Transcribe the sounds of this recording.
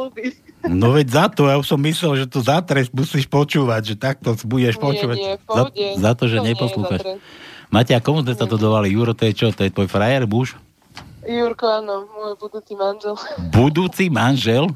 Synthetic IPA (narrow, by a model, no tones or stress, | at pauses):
binɔʋɛɟzat̪ɔjauʃsɔmːislɛlʒɛt̪ɔzat̪ɾɛsmusiːʃpɔt͡ʃuːʋaɟʒɛt̪ak̚t̪ɔsbuɟɛʃpɔt͡ʃuːʋazazat̪ɔʒɛɲɛpɔsluːxat͡ʃmacakɔmuzmɛsad̪ɔd̪ɔʋalijuɾɔt̪ɔjɛt͡ʃɔt̪ɔjɛt̪ʋɔːjfɾajɛɾmuːʃ | juɾkɔanɔmɔjbud̪uːt͡simanʒɛlbud̪uːt͡simanʒɛl